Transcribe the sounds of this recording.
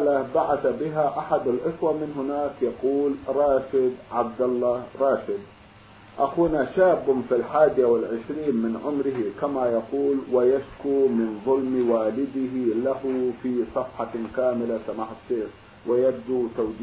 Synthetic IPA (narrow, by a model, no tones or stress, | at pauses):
labaʕaθabɪɦaʔaħad̪alʔɪxwamɪnɦʊnaːkjɑquːlɾˤɑːʃɪd̪ʕab̚d̪alˤːɑɾˤɑːʃɪd̪̚ | ʔaxuːnaʃaːbːʊfilħaːd̪ɪjawɪlʕɪʃɾiːnmɪnʕʊmɾɪɦɪkamajɑquːlwɪjaʃkumɪnðˤʊlmwaːlɪd̪ɪɦɪlaɦʊfiːsˤɑfħɑkaːmɪlasamaːħaʃːeːx | wʔɪjab̚d̪ut̪awd͡ʒiː